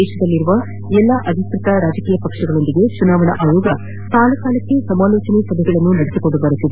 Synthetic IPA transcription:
ɛːʃɐd̪ɐlːiɾuʋɐ | ɛlːɐʔɐd̪ʱiskɾɪt̪ɐɾaːd͡ʒɐkiːjɐpɐkʂɐɡɐɭo̞nd̪iɡe̞t͡ʃunaːʋɐnɐ̰ʔaːjoːɡɐ | t̪aːlɐkaːlɐkːe̞sɐmaːloːt͡ʃɐnesɐb̪ʱiɡɐɭɐnːunɐɽesikoɳɖubɐɾut̪ːid̪e

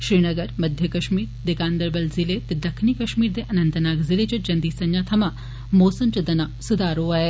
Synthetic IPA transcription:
ʃɾiːnɐɡɐɾmɐd̪ʱjɐkɐʃmiːɾd̪ɪkaːnd̪əɾbɐlzilet̪ed̪ɐkʰniːkɐʃmiːɾd̪eʔɐnɐnt̪ɐnaːɡzɪled͡ʒɐd͡ʒɐnd̪iːsɐɲjaːt̪ʰɐma | moːsɐmt͡ʃɐd̪ɐnaːsʊd̪aːɾoːɐe

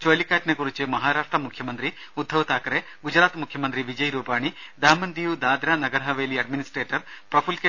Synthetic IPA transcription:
t͡ʃoːlikaːʈnekuɾit͡ʃemɐɦaːɾaːʂʈɾɐmukʰjɐmɐnt̪ɾi | ud̪ʱːɐʋt̪aːkɐɾe | ɡud͡ʒɾaːt̪mukʰjɐmɐnt̪ɾiʋid͡ʒɐjɾuːpaːɳid̪aːmɐnd̪ijud̪aːd̪ɾɐnɐɡɐɾɦɐʋeːliɐɖminisʈɾeːʈɐɾpɾɐpʰulke

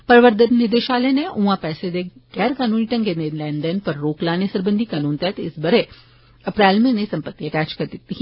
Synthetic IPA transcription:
pɐɾʋəɾd̪ənnɪd̪eʃaːlenẽũːãpɛːsed̪eɡɛːɾkaːnuːniʈɐ̃ŋɡenelɛ̃ːnd̪enpɐɾːoːklaːnesɐɾbə̃nd̪ʱikaːnuːnt̪ɛt̪eɪsbɐɾe | ɐpɾɛːlmẽnẽsɐ̃mpət̪ːiɐʈɛːt͡ʃkɐɾd̪ɪt̪ːiɦ

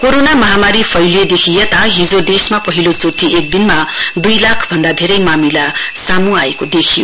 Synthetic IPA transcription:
koɾonamʌɦamaɾipʰʌjljed̪ekʰijet̪aɦid͡zod̪esmapʌɦilot͡soʈʰːiek̚d̪inmad̪ujlakʰbʱʌnd̪ad̪ʱeɾʌjmamilasamuaekod̪ekʰijo

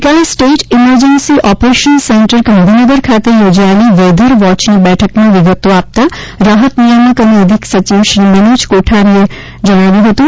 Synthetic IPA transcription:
kaːesʈeːʈʰɪməɾd͡ʒənsiʔɔːpɾeːʃənsẽɳʈəɾkɐ̃md̪ʱinəɡəɾkʰaːt̪ɪɾjoːd͡ʒaliʋɛːd̪ʱəɾʋɔːt͡ʃnibɛːʈʰəkmẽʋɪɡət̪oaːp̚t̪aɾaːɦət̪nijəməkɐməd̪ʱɪksɐt͡ʃiːʋʃɾimenuːt͡ʃkoːʈʰaɾie | d͡ʒɐñaːʋiɦot̪u

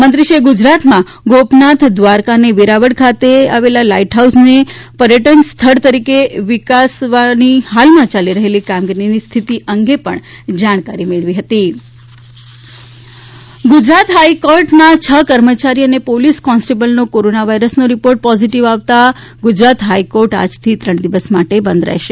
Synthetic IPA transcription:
mənt̪ɾiʃeɡʊd͡ʒɾat̪mã | ɡopnat̪ʰd̪ʋaɾkaneʋiɾaʋəɽkʰat̪ea̰ʋelalaiʈɦausnepəɾjəʈənst̪ʰəɾt̪əɾikeʋɪkasʋaniɦalmãt͡ʃaliɾəɦelikamɡiɾinist̪ʰit̪iʔəŋɡepəɳ | d͡ʒaɽ̃kaɾimeɭʋiɦət̪i | ɡʊd͡ʒɾat̪ɦaikɔɾʈnat͡ʃʰəkəɾmət͡ʃaɾiənepoliskɔ̃nsʈebəlnokoɾonaʋaiɾəsnoɾipoɾʈ̚pɔziʈiʋaʋt̪a | ɡʊd͡ʒɾat̪ɦaijkoɾʈa̰d͡ʒt̪ʰit̪ɾəɳ̃d̪iʋəsmaʈebə̃nd̪ɾɛ̰ɦʃe

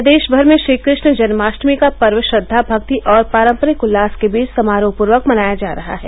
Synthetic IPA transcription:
d̪eːʃbʱɐɾmẽʃɾiːkɾɪʃnəd͡ʒɐnmaːʃʈmikapɐɾʋəʃɾəd̪ʱːabʱɐk̚t̪iʔɔːɾpaːɾə̃mpəɾikʊlːaːskebiːt͡ʃsɐmaːɾoːpʊɾʋəkmɐnaːjad͡ʒaːɾɐɦa̰ɦɛ̰ː

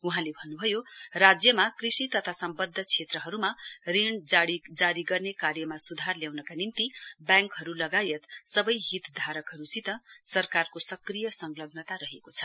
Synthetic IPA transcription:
uɦãlebʱʌnːubʱʌjorad͡zjʌmakrisit̪ʌt̪ʰasʌmbʌd̪ʱːʌt͡sʰet̪rʌɦʌɾumarind͡zaɽid͡zaɾiɡʌrnekarjʌmasud̪ʱarljawnʌkanimt̪ibjãŋkɦʌɾulʌɡajet̪sʌbʌjɦit̪d̪ʱaɾʌkɦʌɾusit̪ʌsʌrkarkosʌkrijʌsʌŋɡlʌɡnʌt̪aɾʌɦekot͡sʰʌ̥

